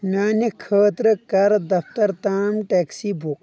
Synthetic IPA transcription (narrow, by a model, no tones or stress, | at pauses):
mʲaːnikʰəːt̪ɾɨkɐɾd̪ɐft̪ɐɾt̪aːmʈeːksiːbʱuk